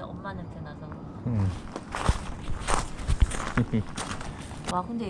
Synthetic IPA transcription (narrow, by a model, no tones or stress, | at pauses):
ʌ̰mːanɯɭtenasʰʌ | wakʰɯnde